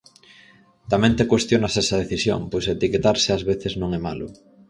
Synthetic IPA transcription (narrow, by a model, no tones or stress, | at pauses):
t̪amẽnt̪ekwest̪jonasesað̞eθisjo̰ŋpojset̪iket̪aɾseazβeθeznõŋɛmalʊ̰